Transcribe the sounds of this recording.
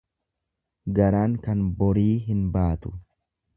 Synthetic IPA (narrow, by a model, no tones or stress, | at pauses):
ɡɐɾaːŋkɐnbɔɾiːɦɪnbaːt̪ʊ̥